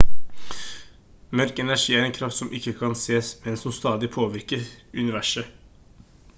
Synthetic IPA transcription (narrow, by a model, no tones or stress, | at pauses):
mœɾkɛnæʂiːæɾɛnkʰɾɑft̪sɔmʔɪkːəkʰɑnseːsmɛnsɔmst̪ɑːd̪ɪpʰoːʋɪɾkəɾʉnɪʋæʂə